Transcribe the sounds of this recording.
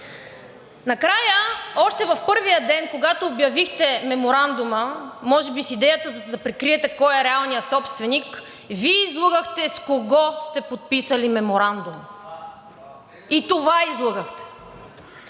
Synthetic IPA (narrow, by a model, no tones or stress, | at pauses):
nɐkɾajəɔʃt̪ɛvɐfpɤɾvijəd̪ɛnkoɡat̪oːbjɐvixt̪ɛmɛmoɾand̪ʊməmɔʒɛbisid̪ɛjət̪əzɐd̪ɐpɾɛkɾiɛt̪ɛkɔjɛɾɛalˠnijəsɔpst̪vɛnik | viɛizlˠuɡəxt̪ɛskoɡɔst̪ɛpot̪̚pisəlimɛmoɾand̪um | it̪ovaizlˠuɡəxt̪ɛ̥